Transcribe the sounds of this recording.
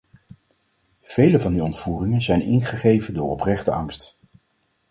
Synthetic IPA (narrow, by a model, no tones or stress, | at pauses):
v̥ejləvɑndiɔntfuːrɪŋənzɛjnɪ̰nχəχejvəndʊːɹɔprɛχtəɑŋst